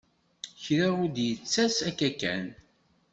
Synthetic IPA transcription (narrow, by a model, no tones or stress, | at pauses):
çɾaud̪jət͡sːæsækːækːæ̰n